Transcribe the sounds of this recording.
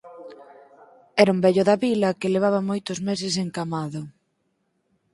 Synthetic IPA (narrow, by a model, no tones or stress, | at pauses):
ɛɾɐumbɛʎʊðɐβilɐkɪleβ̞aβɐmojt̪ʊzmes̬ɪs̬eŋkamaðʊ